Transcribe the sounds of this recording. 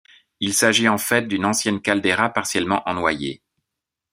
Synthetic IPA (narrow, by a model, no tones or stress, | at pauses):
ilsaʒiɑ̃fɛt̪̚d̪ynɑ̃sjɛnkald̪eʁapaʁsjɛlmɑ̃ʔɑ̃nwa̰jḛ